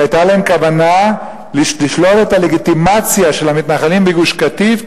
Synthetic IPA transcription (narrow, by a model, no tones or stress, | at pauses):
ajt̪alaemkavana | liliʃlote̞tale̞ɡitimat͡sjaʃe̞lhamit̪naχalimbeɡuʃkat̪iv